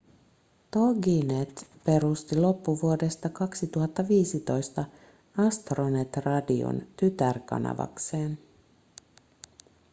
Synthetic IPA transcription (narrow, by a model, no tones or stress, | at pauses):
t̪oɡinet̪pe̞ɾust̪ilo̞pːuʋuode̞st̪ɑkɑksit̪uɦɑt̪ːɑʋiːsit̪o̞jst̪ɑ | ɑst̪ronet̪rɑdio̰nt̪yt̪ærkɑ̰nɑ̰ʋɑ̰kse̞ːn